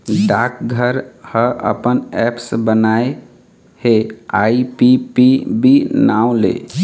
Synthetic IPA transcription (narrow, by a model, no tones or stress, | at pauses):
ɖakɡʱəɾhəʔə̰pənɛpsbənae | heaipipibinaw̃lḛ